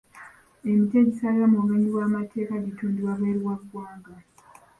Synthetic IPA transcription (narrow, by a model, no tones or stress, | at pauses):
e̞miteɟisalamuβeːɲiwaːmatʰe̞ːkaɟituːndiwaβeːɾiwaɡwaːŋɡa